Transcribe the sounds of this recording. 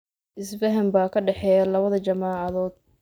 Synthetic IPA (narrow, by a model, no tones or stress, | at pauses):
ʔɪsbɐɦɐmbaːkʰɐɖɛħɛːjɐlɐβɐðɐt͡ʃɐmaːʕɑðɔːd̪̥̚